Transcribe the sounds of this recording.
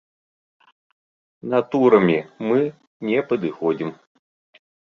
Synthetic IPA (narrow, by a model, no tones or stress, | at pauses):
nat̪uɾɐmʲimɨ | nʲɛpəd̪ɨxɔd͡zʲim